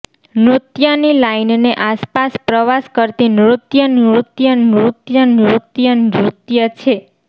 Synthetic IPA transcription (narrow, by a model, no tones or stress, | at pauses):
nɾut̪jənilainneʔaspaspɾəʋaskəɾt̪inɾut̪jənɾut̪jənɾut̪jənɾut̪jənɾut̪jət͡ʃʰe